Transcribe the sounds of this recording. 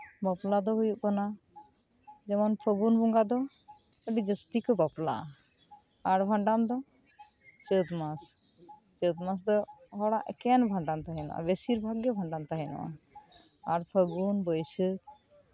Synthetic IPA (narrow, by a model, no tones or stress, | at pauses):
bəplad̪ɔɦujuʔkana | d͡ʒɛmɔnpʰəɡunbɔŋɡad̪ɔ | əɖid͡ʒəst̪ikbapla̰ | aɾbʱaɳɖamd̪ɔ | t͡ʃət̪mas | t͡ʃət̪mas̬d̪ɔɦɔɽaʔɛ̰kɛnbʱaɳɖamt̪aɦɛna̰ʔa̰besiɾbʱaɡjɔbʱãɳɖamt̪aɦɛna̰ʔa̰ | aɾpʰəɡunbəjsə